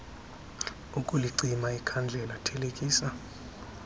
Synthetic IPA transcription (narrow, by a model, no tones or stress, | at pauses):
ukʼuliǀimaikʰand͡ɮʱɛlatʰɛlekʼiːsa